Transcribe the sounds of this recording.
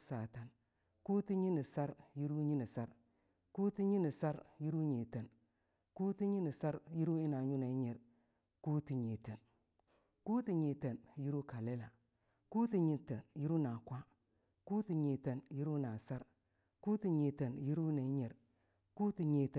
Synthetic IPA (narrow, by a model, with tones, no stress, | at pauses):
sa˨ta˨n | ku˦ti˦ɲi˦ni˨sa˦ɾji˦ɾu˦ɲi˦ni˨sa˦ɾ | ku˦ti˦ɲi˦ni˨sa˦ɾji˦ɾu˦ɲe˨te˨n | ku˦ti˦ɲi˦ni˨sa˦ɾji˦ɾu˦i˦na˨ɲu˦na˨i˦ɲe˨ɾ | ku˦ti˨ɲe˨te˨n | ku˦ti˨ɲe˨te˨nji˦ɾu˦ka˨le˦la˨ | ku˦ti˨ɲi˨nte˨nji˦ɾu˦na˨kʷa˦ | ku˦ti˨ɲe˨te˨nji˦ɾu˦na˨sa˦ɾ | ku˦ti˨ɲe˨te˨nji˦ɾu˦na˨i˦ɲe˨ɾ | ku˦ti˨ɲe˨te˨